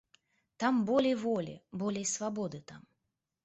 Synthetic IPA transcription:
t̪ambɔlʲɛjvɔlʲḭbɔlʲɛjsvabɔd̪ɨt̪am

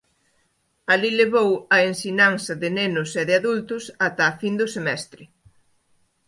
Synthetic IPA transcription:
alileβowɐensiɲaŋsɐðɪnenʊseðɪaðult̪ʊsat̪ɐːfind̪ʊsemɛst̪ɾɪ

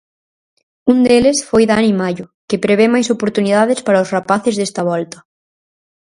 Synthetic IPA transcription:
und̪elɪsfojðanimaʎʊkepɾeβ̞emajsopoɾt̪unið̞að̞ɪspaɾɐʊsrapaθɪzðest̪ɐβ̞ɔlt̪ɐ

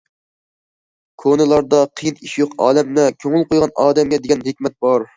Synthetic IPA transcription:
kʰonɨlˠɑɾd̪ɑqʰəjiniʃjoqɑ̰ːlɛmnɛkʲʰøŋɪlˠqojʁɑnɑːd̪ɛmɡʲɛd̪eɡʲɛnɦekʲmɛt̪̚bɑɾ

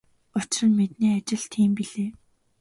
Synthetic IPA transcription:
ʊt͡ɕrə̆nmet̪̚niːat͡ɕɪ̆ɮt̪ʰiːmpiɮeː

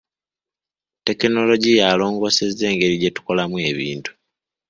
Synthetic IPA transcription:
te̞kino̞lo̞ɟijalo̞ːŋɡo̞ːse̞ze̞ːŋɡe̞ɾiɟe̞tu̥ko̞lamue̞βḭːntu̥

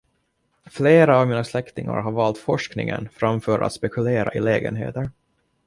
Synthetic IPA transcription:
fleːɾaːvmiːnaslɛkt̪ɪŋa̰ɾɦaɾvɑːlt̪fɔʂknɪŋə̰nfɾamfœːɾa̰t̪spɛkɵleːɾaʔɪlɛːɡə̰nɦḛːt̪əɾ

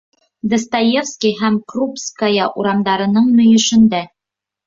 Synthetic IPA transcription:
d̪ɤ̆st̪ajefskʲiɦæmkrupskajɑʔuɾɑmd̪ɑɾɤ̆nɤɴnɵ̆jɵ̆ʃɘ̆nd̪æ

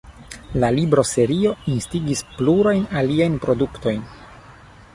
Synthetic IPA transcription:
lalibɾo̞se̞ɾio̞instiɡispluɾajnaliajnpɾo̞dukto̞jn

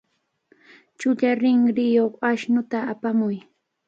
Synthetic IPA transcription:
t͡ʃʊʎaɾɪŋɾɪjoχaʃnʊt̪aapamʊj

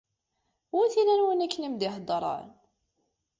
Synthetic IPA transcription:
ʊɾθilænwənækːənimd̪ɪɦd̪ˤɾˤɑ̰ɾ

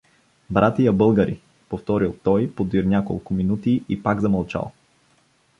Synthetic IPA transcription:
bɾʔat̪ijɐbɤlˠɡəɾḭ | poft̪ɔɾilˠt̪ɔjpod̪iɾnʲako̰lˠkʊminut̪iʔipaɡzɐmɐlˠt͡ʃa̰lˠ

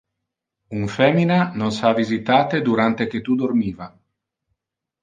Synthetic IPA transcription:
uɱfɛminanonsavizit̪aːt̪ed̪uɾant̪ek̟et̪ːud̪ormiːva

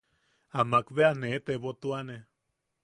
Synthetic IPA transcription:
amakβeanet̪eβot̪uane

